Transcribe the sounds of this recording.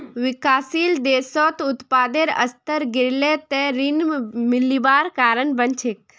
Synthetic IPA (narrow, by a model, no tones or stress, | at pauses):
ʋɪkaːsiːld̪eːsoːt̪ʊt̪paːd̪eɾɐ̰st̪əɾɡɪɾlet̪eɾinmɪlibaːɾkaːɾənbɐnt͡ʃʰek